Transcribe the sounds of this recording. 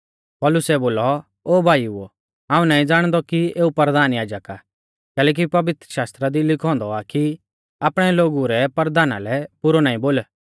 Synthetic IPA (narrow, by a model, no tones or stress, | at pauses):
pɔːlʊsɛboːlɔ | oːbʱaːiuɔ | ãːũnaːĩd͡zaːɽ̃d̪ɔkieːupəɾəd̪aːnjaːd͡ʒəka | kɛːlɛːk̬ipɐʋɪt̪ɾəʃaːst̪ɾad̪ilɪkʰɔ̃ːnd̪ɔaki | aːpɽ̃ɛloːɡuɾɛpəɾd̪aːna̰lɛpʊɾɔnaːĩboːl